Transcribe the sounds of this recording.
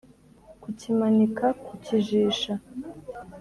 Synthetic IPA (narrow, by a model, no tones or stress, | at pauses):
kucimanikakuciʒiːʃa